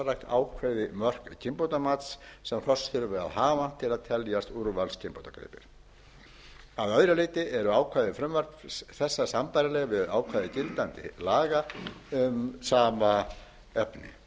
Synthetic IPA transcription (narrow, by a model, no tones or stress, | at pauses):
rajkt̪a̰ːwkʰvajðɪmœr̥kcʰɪmpowt̪amat̪ssɛmr̥ɔsθʏɾvɪa̰ðɦaːvan̥t̪ʰɪlaðt̪ʰɛljast̪uɾvalscʰɪmpowt̪akɾḛːpɪ̰ɾ̥ | aðœːɥɾalɪːt̪ɪʔɛɾʏaːwkʰvajðɪfɾʏmvœɾ̥kθɛsːasampajɾalɛɣvɪðaːwkʰvajðɪcɪlt̪ant̪ɪ̰laːɣaʏmsaːma | ɛpnɪ̰